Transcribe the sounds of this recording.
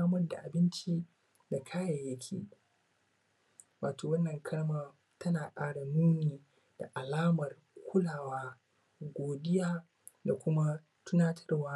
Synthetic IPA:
aː˦mɐ˦rda̰˨ʔa˨bɪ˦nt͡ʃi˦ | da˨kʰaː˦jɐ˨jːɐ˦kʲʰḛː˨ | waː˨tʰoː˨wɐ˦nːɐ˨ŋkʰɐ˦ɽmaː˦ | tʰɐ˦naː˨kʼaː˦ɽa˨nuː˦niː˨ | d̥a̰˨ʔa˨laː˦mɐ˨r | kʷʰʊ˦laː˨waː˦ | ɡʷoː˨dɪ˦jaː˦ | da˨kʷʊ˦ma˦ | tʊ˦naː˦tʰɐ̥˦rwaː˦

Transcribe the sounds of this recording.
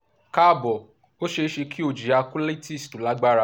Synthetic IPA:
ka˦˨bɔ˨ | o˦ʃe˧˦ʃe˧ki˦o˨d͡ʒi˨a˧kũ˦le˦tʰi˦˨stu˨˦la˦ɡ͡ba˦ɾa˧˦

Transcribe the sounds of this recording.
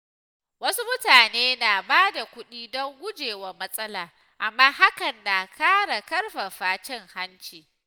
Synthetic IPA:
wɐ˦su˦mʊ˦taː˨neː˦na˨baː˦da˨kʷʊ˦ɗiː˦dɔ˦ŋɡʷʊ˦d͡ʒeː˨wa˦mɐ˦sʼɐ˦laː˨ | ʔa˨mːaː˦ha˦kɐ˨nːa˨kʰaː˦ɽa˨kɐ˦rɸa˨ɸaː˦t͡ʃɛ˦ŋha˦nt͡ʃiː˨

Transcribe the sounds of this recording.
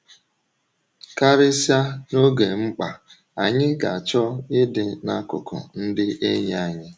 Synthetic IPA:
ka˦ɾɪ˦sja˦no˦ɡe˨ŋ͡m̩˦k͡pa˨ | a˨ɲɪ˦ɡa˨a˨t͡ʃɔ˦ɪ˦dɪ˨na˦kʊ̰˨kʰɔ̰˨n̩˦dɪ˦ʔe˦ɲ˨a˨ɲɪ˦

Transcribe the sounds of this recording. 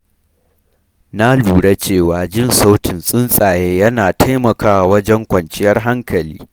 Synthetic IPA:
na˦luː˨ɽa˦t͡ʃeː˦˨waː˨d͡ʒɪ˦˨nsa˦wtɪ˨nsʼɪ˦nsʼaː˨jeː˦jɐ˦naː˨tʰa˦jmɐ˨kaː˦wa˨wɐ˦d͡ʒɛ˦ŋkʷɐ˨nt͡ʃɪ˦jɐ˦rɦa˦ŋkɐ˨liː˦

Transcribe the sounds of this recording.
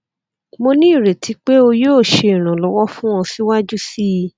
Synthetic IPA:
mo˧nĩ˦i˦˨ɾe˨tʰi˨˦k͡pe˦o˧joː˦˨ʃe˧˨i˨ɾ̃ã˨lɔ˨˦wɔ˦fũ˦w̃ɔ̃˧si˦wa˦d͡ʒu˦si˦˧˦

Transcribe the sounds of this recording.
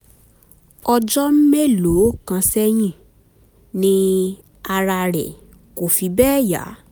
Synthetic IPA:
ɔ˧d͡ʒɔ˦m̩˦me˦˨lo˨˦˨kã˧sɛ˦j̃ĩ˦˨ | nĩ˦ | a˧ɾa˧ɾɛ̰˨ | ko˨fi˨˧bɛː˦ja̰˨˦

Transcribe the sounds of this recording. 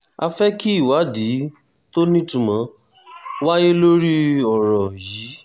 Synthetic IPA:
a˧fɛ˦ki˦i˦˨wa˨˦di˨˦ | to˦nĩ˦tũ˦˨mã˧ | wa˦je˦lo˦ɾi˦ɔ˨ɾɔ˨jiː˨˦

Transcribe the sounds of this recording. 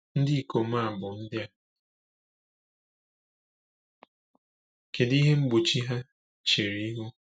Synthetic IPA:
n̩˦dɪ˦i˦˨ko˨m̩˦a˦a˨bʊ˨n̩˦dɪ˦a˦ | ke˨di˦ɦe˦ŋ͡m̩˦ɡ͡bu˨t͡ʃi˦ɦa˦ | t͡ʃe˨ɾi˨˦ɦu˦

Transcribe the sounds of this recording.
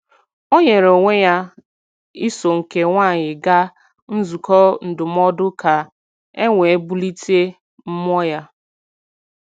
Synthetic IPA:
o˦ɲe˨ɾo˨ŋʷe˦ja˦ | i˦so˨ŋ̩˨ke˨ŋʷa˦˨ɲɪ˨ɡa˦ | n̩˦zu˨kʰɔ˦n̩˨dʊ˨m˦ɔ˦dʊ˦ka˨ | e˦ŋʷe˨e˦bu˦li˦te˦ | m̩˦m˦ɔ˦ja˦

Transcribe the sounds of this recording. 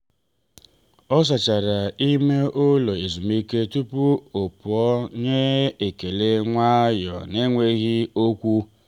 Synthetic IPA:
ɔ˦s̬a˨t͡ʃa˨ɾa˨i˦me˦ʔo˦lo˨e˨zu˨mi˦ke˦tu˦pu˦o˨pʊ˨ɔ˦ɲe˦e˨ke˨le˦ŋʷa˦jɔ̰˨ne˦ŋʷe˦ɣi˦o˦kʷu˦

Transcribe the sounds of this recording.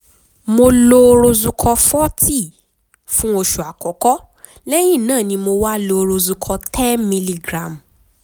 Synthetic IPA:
mo˧lo˧ɾo˧zu˧kʰɔ˧fɔ˦ti˦˨ | fũ˦o˧ʃu˨a˨kɔ˨kɔ˦ | lɛ˦ji˦˨nãː˦˨nĩ˧mo˧wa˦lo˧ɾo˧zu˧kʰɔ˧tʰɛ˦nmĩ˧li˧ɡɾa˨m˨

